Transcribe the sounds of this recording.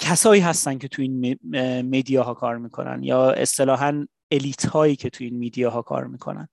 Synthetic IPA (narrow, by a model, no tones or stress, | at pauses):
cʰæsɒːiːɦæst̪æn̥cʰe̞t̪ʰuiːnmed̪ijɒːɦɒːkʰɒːɾmiːkʰo̞̰næ̰njɒːe̞̰st̪e̞lɒːɦæn | e̞liːt̪ʰhɒːiːcʰe̞t̪ʰuiːnmid̪ijɒːɦɒːkʰɒ̰ːɾmiːkʰo̞̰næ̰n